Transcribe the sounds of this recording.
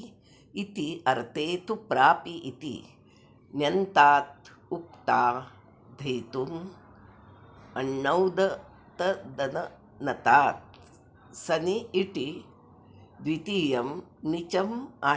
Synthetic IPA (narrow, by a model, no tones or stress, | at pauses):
it̪iɐɾt̪eːt̪upɾaːpiʔit̪ḭ | njɐnt̪aːt̪̚up̚t̪aː | d̪ʱɐjt̪um | ɐɳːɐwd̪ɐ | t̪ɐd̪ɐnɐ | nɐt̪aːt̪̚ | sɐniiʈi | d̪ʋit̪iːjɐmnit͡ʃɐmaː